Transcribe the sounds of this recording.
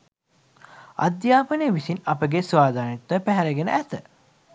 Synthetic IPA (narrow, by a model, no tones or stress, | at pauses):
a̰d̪jaːpənejəʋisinɐpəɡesʋaːd̪ʱaːnit̪ːəpæɦɛɾəɡenə̰ʔæt̪ə